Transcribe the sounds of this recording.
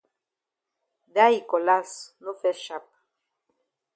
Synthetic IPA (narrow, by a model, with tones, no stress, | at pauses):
da˦i˨ko˨la˦sno˦fɛ˦ʃa˦p̚